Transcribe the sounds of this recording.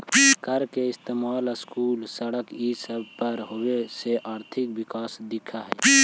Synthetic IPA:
kəɾkeɪst̪eːmaːlskuːlsəɽəkisəbʱpəɾɦoweseʔaːɾt̪ʰɪk̚bɪkaːsd̪ɪkʰaɦɛ

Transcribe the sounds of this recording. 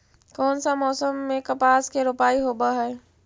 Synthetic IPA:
kɔːnsamɔːsəmːẽkɐpaːskeɾʊpaːiɦoːbaɦɛː

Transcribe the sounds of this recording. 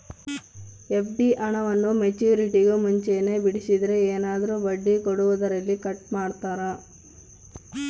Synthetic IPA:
efɖiʔɐɳɐʋɐnːumet͡ʃuːɾiʈiɡumuɲt͡ʃe̞ːne̞ːbiɽisid̪ɐɾeeːnaːd̪ɐɾubɐɖːikoɽuʋud̪ɐɾɐlːikɐʈmaːɽt̪aːɾɐ

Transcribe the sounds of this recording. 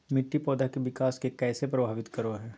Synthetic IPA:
mɪʈːipɔːd̪akeʋɪkaːskekɛːsepɾɐbʱaːʋɪt̪kɐɾoɦɛː

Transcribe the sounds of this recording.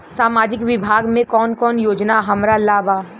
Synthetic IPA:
saːmaːd͡ʒɪkʋɪbʱaːɡmẽkɔːnkɔːnjoːd͡ʒnaɦɐmɾalaːbaː

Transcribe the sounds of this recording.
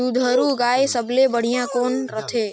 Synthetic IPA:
ud̪ʱəɾuɡaːesəblebəɽ̤ijãkoːnɾət̪ʰeː

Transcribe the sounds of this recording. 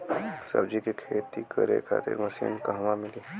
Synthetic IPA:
sɐ̰bd͡ʒikikʰeːt̪ikɐɾḛkʰa̰ːt̪ɪ̰ɾmɐsḭːnkɐɦmãmɪli

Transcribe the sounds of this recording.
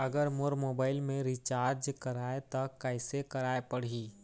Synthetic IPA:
ɐɡəɾmoɾmoːbaːɪlmẽɾit͡ʃaːɾd͡ʒkɐɾaːet̪akɛɪsekɐɾaːepɐɽ̤ɦiː

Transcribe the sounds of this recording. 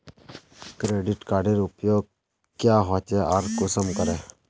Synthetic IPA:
kɾeːɖɪʈkaːɾɖeɾʊpjoːɡ̚ | kjaːɦɔt͡ʃeʔaɾkʊsəmkəɾɛː

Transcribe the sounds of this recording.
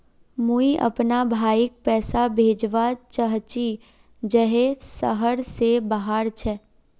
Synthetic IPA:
muiʔə̰pnabʱaːɪk̚pɛːsabʱeːd͡ʒʋat͡ʃəɦt͡ʃi | d͡ʒɛɦesəɦəɾsebəɦaːɾt͡ʃʰɛː

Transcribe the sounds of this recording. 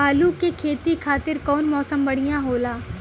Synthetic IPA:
aːlukekʰeːt̪ikʰaːt̪ɪɾkɔːnmɔːsəmbɐɽ̤ɪjãɦoːlaː

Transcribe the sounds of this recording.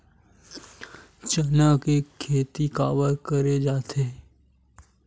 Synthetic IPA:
t͡ʃənakekʰːeːt̪ikaːbəɾkəɾed͡ʒaːt̪ʰeː

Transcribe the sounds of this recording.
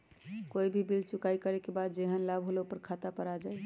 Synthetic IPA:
koibʱibilt͡ʃukaikəɾɛkebad̪̚d͡ʒeɦənlabʱɦoleupəɾkʰat̪apəɾad͡ʒaj

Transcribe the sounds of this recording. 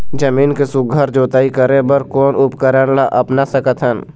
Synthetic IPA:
d͡ʒəmiːnkesʊɡʱəɾd͡ʒoːt̪aːikəɾẽbəɾkɔːnʊpkəɾənlaʔɐpnasəkət̪ɦən

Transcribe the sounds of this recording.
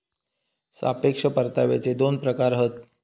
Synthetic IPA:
sa̰pekʂəpəɾt̪aʋḛt͡sed̪onpɾəkaɾɦət̪

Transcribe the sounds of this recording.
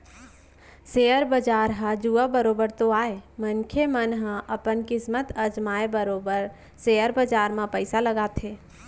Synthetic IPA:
seːəɾbəd͡ʒaːɾɦãd͡ʒuabəɾoːbəɾt̪oaːemənkʰemənɦə̃ʔəpənkɪsmət̪əd͡ʒmaːebəɾoːbəɾ | seəɾbəd͡ʒaːɾmãpəɪsaləɡaːt̪ʰeː

